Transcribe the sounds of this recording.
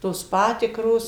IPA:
ˈtoːs ˈpɑːtʲɪkroːs

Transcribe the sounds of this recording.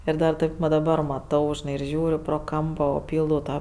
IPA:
ˈɪr dɐr ˈtɐɪp ʋɐ dɐˈbɐr mɐˈtɐʊ ʒʲɪˈnɐɪ ɪr ˈʒʲuːrʲʊ proː ˈkɐmpoː oː ˈpʲiːlˠdɐʊ ˈtɑː

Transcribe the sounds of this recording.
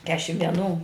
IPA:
ˈkʲæːʃʲɪm ʋʲiɛˈnuː

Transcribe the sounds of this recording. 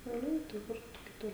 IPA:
ʃʲɛʊˈlʲɛɪ tɐɪ ˈkʊr tʊ kʲɪˈtʊr

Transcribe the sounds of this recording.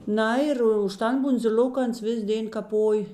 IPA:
ˈnɐ ɪr ʊʃ ˈtɐn bʊnʲd͡zʲɪˈlʲoːk ˈɐns ˈʋʲɪs ˈdʲeːn kɐˈpoːj

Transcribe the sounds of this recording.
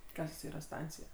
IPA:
ˈkɐs tɐs ˈiːrɐ ˈstɐnʲt͡sʲɪjɛ

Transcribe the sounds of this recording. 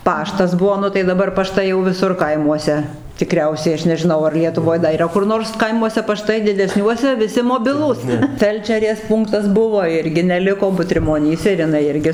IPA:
ˈpɑːʃtɐs ˈbuɔ ˈnʊ tɐɪ dɐˈbɐr pɐˈʃtɐɪ jɛʊ ʋʲɪˈsʊr ˈkɐɪmuɔsʲɛ tʲɪˈkrʲɛʊsʲɛɪ ˈɐʃ nʲɛʒʲɪˈnɐʊ ɐr lʲiɛtʊˈʋoːj dɐ iːˈrɐ kʊr ˈnoːrs ˈkɐɪmuɔsʲɛ pɐˈʃtɐɪ dʲɪdʲɛˈsʲnʲuɔsʲɛ ʋʲɪˈsʲɪ moːˈbʲɪlˠuːs ˈfʲɛlʲt͡ʃʲɛrʲeːs ˈpuːŋktɐs ˈbʊʋoː ˈɪrʲɡʲɪ nʲɛˈlʲɪkoː bʊtʲrʲɪmoːˈnʲiːsʲɛ ɪr jɪˈnɐɪ ˈɪrʲɡʲɪ

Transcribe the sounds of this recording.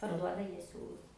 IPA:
pɐrˈduɔdɐ ˈjiɛ ˈsʲuːlˠʊs

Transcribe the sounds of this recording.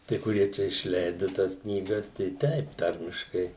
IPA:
ˈtɐɪ kʊˈrʲiɛ t͡ʃʲɛ ɪʃʲˈlʲɛɪdʊ ˈtɑːs knʲiːˈɡɐs tɐɪ ˈtʲɛɪp ˈtɐrʲmʲɪʃkɐɪ

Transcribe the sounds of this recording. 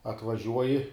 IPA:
ɐtʋɐˈʒʲuɔjɪ

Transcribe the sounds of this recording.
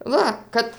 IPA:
ˈʋɐ ˈkɐt

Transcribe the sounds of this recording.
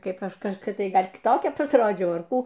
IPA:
ˈkɐɪp ˈɐʃ kɐʃkoːˈkʲɛ ˈɡɐlʲ kʲɪˈtoːkʲɛ pɐsˈroːd͡ʒʲɛʊ ɐr ˈkuː

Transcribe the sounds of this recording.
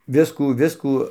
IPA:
ˈʋʲɪskuː ˈʋʲɪskuː

